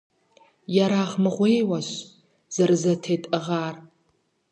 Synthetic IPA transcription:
jaɾaːʁmɨʁʷeːjwɐɕ | z̥ɐrɨzɐtʰeːtʼɨʁaːr

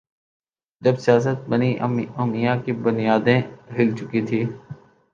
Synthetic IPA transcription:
d͡ʒɐbsɪjaːs̬ət̪̚bəniomijãkibʊnijaːd̪ẽɦɪlt͡ʃʊkit̪ʰiː

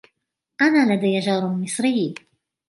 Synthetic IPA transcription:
ʔanaːlad̪ajad͡ʒɑːɾˤmɪsˤɾɪj

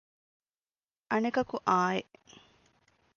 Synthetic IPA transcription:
ʔɐnekɐkuʔaːjeʔ

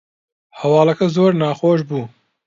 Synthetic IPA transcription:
hɐwɑːlɐkɐzoːɾnɑːxoːʃ̬buː

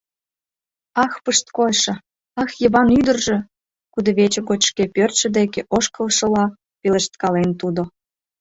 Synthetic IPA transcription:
ɑxpəʃt̪̚kojʃɤ̆ | ɑxjəβɑnyd̪ə̆rʒĕ | kud̪ŏβet͡ɕə̆ɣot͡ɕʃkepørt̪ʃə̆d̪ekeʔoʃkəlʃɤ̆lɑ | peləʃt̪̚kɑlent̪ud̪o

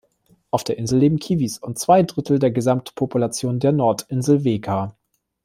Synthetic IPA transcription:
ʔaʊfd̥eːɐʔɪnzl̩leːbm̩kʰiːvisʊnt̚t͡sv̥aɪdʁɪtʰl̩deːɐɡəzamtpʰopulat͡sjoːndeːɐnɔɐtɪnzlveːkʰa

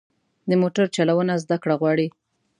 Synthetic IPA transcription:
d̪əmoʈaɾt͡ʃalawənazd̪akɽaɣwɑɽi

